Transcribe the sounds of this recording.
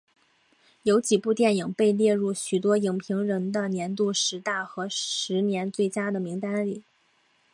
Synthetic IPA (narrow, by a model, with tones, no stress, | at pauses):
jo˧˥ʊt͡ɕi˨˩pu˥˧t̪jɛ˥˩ni˨˩ŋpe˥˧ɪljɛ˥˧ɻu˥˩ɕy˨˩t̪wɔ˥i˨˩ŋpʰi˧˥ŋɻə˧˥nd̪ə˧njɛ˧˥nt̪̬u˥˩ʂɻ̩˧˥t̪a˥˩xɤ˧˥ʂɻ̩˧˥njɛ˧˥nt͡swe˥˩ɪt͡ɕja˥d̪ə˨mi˧˥ŋt̪a˥nli˨˩˦